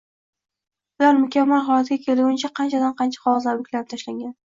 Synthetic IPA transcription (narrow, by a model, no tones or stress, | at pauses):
bʊlaɾmʊkʲamːalɦɒlˠat̪ɪɡʲakʲʰelɡʊnt͡ʃʰaqʰɑnt͡ʃʰad̪anqʰɑnt͡ʃʰḁχɒwɒzlaɾʊkʲʰlaɾp̚t̪ʰaʃlaŋɡʲan